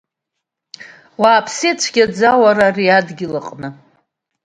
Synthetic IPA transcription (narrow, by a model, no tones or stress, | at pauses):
waːpʰsit͡ʃʷʰɡʲad͡zawaɾariadɡʲɪlaqʼnɨ